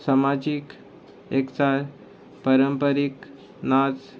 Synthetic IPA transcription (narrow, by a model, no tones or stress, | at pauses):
samad͡ʑik | ekt͡saɾ | pəɾəmpəɾik | nad͡z